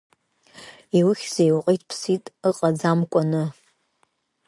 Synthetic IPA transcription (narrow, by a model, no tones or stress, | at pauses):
iwʊχʲz̥ejwqʼijtʰʼpʰsitʼɨqʼad͡zamkʷʼanɨ